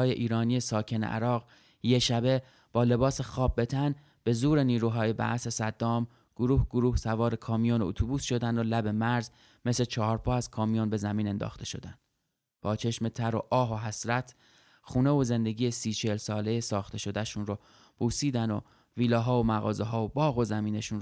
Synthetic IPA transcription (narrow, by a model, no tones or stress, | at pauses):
ɒːjeʔiːɾɒːnije̞sɒːcʰe̞nḛʔæ̰ɾɒːɣ | jeʃæbe̞ | b̥ɒːle̞bɒːsexɒːb̚be̞t̪ʰæn | b̥e̞zuːɾe̞niːɾuːɦɒːje̞bæ̰ʔse̞sæd̪ːɒːm | ɡ̥oɾuːhɡoɾuːhsævɒːɾe̞kʰɒːmijonot̪ʰubuːsʃo̞d̪ænd̪olæbe̞mæɾz | me̞slet͡ʃʰɒːɦɒːɾpʰɒːæz̥kʰɒːmijonbe̞zæmiːne̞nd̪ɒ̰ːxt̪ʰe̞ʃo̞̰d̪ænd̪̥ | b̥ɒːt͡ʃʰe̞ʃme̞t̪ʰæɾo̞̰ʔɒːɦoɦæsɾæt̪ʰ | xuːnevoze̞nd̪e̞ɡʲiːjesiːt͡ʃʰelsɒːle̞jesɒːxt̪ʰe̞ʃo̞d̪æʃuːnɾo | b̥uːsiːd̪æno̰ | viːlɒːɦɒːomæɣɒ̰ːzeɦɒːobɒːɣo̞zæmiːneʃuːn